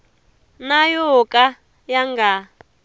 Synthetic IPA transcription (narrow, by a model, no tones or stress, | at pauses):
najokʼa | jaŋɡa